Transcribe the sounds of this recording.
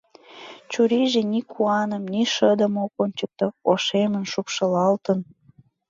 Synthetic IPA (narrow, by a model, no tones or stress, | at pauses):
t͡ɕuɾiʒenikʰuɑnəmniʃəd̪ə̆mokonʲt͡ɕək̚t̪ooʃemənʃupʃə̆lɑlt̪ən